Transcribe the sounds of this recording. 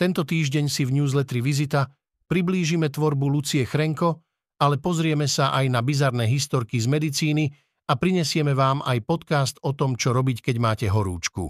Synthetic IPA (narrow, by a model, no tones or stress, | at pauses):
t̪ɛnt̪ɔt̪iːʒɟɛɲsivɲuːzlɛt̪ɾiʋizit̪a | pɾibliːʒimɛt̪ʋɔɾbulut͡siɛxɾɛŋkɔ | alɛpɔzɾɪɛmɛsaʔajnabizaɾnɛːɦist̪ɔɾkizmɛd̪it͡siːni | apɾiɲɛsɪɛmɛʋaːmajpɔt̪kast̪ɔt̪ɔmt͡ʃɔɾɔbickɛɟmaːcɛɦɔɾṵːt͡ʃkṵ